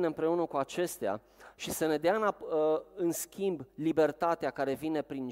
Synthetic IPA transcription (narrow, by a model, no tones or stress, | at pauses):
neɨmpɾe̞unəkuat͡ʃe̞st̪ea̰ | ʃisəne̞d̪eaɨnaɨnskʲimblibe̞rt̪at̪eakaɾe̞vine̞pɾin